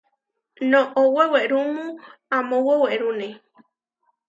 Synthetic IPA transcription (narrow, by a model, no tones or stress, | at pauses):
nõʔoweweʔɾumũamõwoweʔɾune